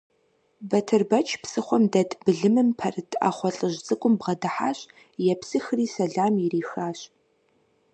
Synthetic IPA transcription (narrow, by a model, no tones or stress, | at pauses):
bɐtʰɨrbɐt͡ʃʰpsɨχʷɔmdɐtʰʼbɨɮɨmɨmpʰɐrɨtʰʼa̰ːχʷɔɬʼɨʑt͡sʼɨkʷʼʊmbʁɐdɨħa̰ːɕ | jɛpsɨxriːsɐɮaːmjɪriːxaːɕ